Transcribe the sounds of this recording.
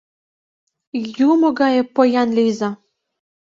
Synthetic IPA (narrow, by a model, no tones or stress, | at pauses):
jumɤ̆ɡɑjɤ̆pojɑnlʲijzɑ